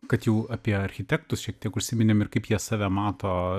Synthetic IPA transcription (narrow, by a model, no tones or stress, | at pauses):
kɐt̪jɛʊɑːpʲiɛɐɾʲxʲɪt̪ʲæːk̚t̪ʊsʃʲiɛkt̪ʲiɛkʊʃʲsʲɪmʲɪnʲemɪrkɐɪpjiɛsɑːʋʲæmɑːt̪oː